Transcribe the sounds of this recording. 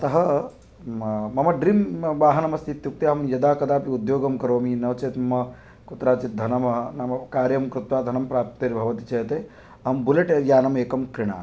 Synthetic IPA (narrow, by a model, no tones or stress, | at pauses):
ɐt̪ɐɦɐ | mɐmɐɖɾimʋaːɦɐnɐmɐst̪ʰit̪juk̚t̪eɦɐmjɐd̪aːkɐd̪aːpiud̪joːɡɐmkɐɾoːminɐʋɐt͡ʃeːt̪mɐmɐ | kut̪ɾaːt͡ʃit̪̚d̪ʱɐnɐmɐɦnɐmɐkaːɾjɐmkɾut̪ʋaːd̪ʱɐnɐmpɾaːp̚t̪ɐːɾibʱɐʋɐt̪i̥t͡ʃɐjt̪eː | ɐmbuleʈejaːnɐmeːkɐmkɾɪɳ̃a̰ː